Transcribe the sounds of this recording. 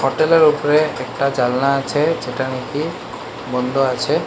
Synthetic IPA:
hɔʈɛlɔɹupɔɹɛːk̚ʈad͡ʒalnaːt͡ʃʰɛd͡ʒɛtaniki | bɔnd̪ʱɔat͡ʃʰɛ

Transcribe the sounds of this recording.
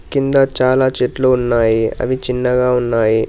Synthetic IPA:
kind̪ɐt͡ʃaːlaːt͡ʃeːʈloːunːaːjiɐ̰ʋit͡ʃinːɐɡaːunːaːji

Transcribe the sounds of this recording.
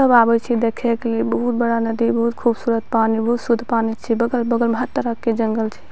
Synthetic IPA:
əbabɛt͡ʃʰid̪ekʰɛkelebəɦut̪̚bəɽanəd̪ibəɦut̪̚kʰubsuɾət̪̚panibəɦut̪sud̪ʱpanit͡ʃʰibəɡəlbəɡəlməɦət̪ːəɾəkːed͡ʒəŋɡəlt͡ʃʰɛ̥

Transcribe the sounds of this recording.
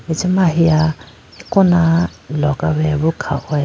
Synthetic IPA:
it͡simaɦia | hikʼʊnalɔkʼaβɛβʊkʰa̰ʔɛ

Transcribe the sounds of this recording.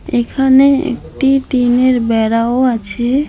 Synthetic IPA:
ekʰaneḛkʈiʈineɾbɛɽaoat͡ɕʰe

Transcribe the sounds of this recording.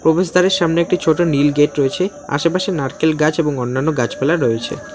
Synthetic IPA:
pɾobeʃd̪aɾeɾʃamneek̚ʈit͡ɕʰoʈonilɡeʈɾoet͡ɕʰe | a̰ʃepaʃenaɾkelɡat͡ɕeboŋonːanːoɡat͡ɕpelaɾɾoet͡ɕʰḛ

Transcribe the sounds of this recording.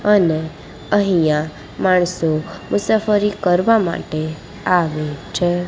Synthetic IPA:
əne | əɦijã | maɳ̃somʊsafəɾikəɾʋama̰ʈe | aʋet͡ʃʰe

